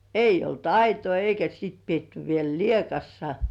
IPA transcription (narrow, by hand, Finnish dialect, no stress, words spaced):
eijˑ olt ɑitoi eikæ siˑt pietːy ʋiel liekɑsːɑ